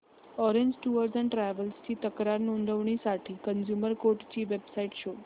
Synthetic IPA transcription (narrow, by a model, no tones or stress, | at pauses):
ɔɾeɲd͡ʑʈuəɾsæ̃ɳʈɾæʋəlst͡ɕiːt̪əkɾaɾnuɳɖ̪əʋɳ̃isaʈʰiːkənd͡ʑuməɾkoɾʈt͡ɕiːʋebsaiʈɕo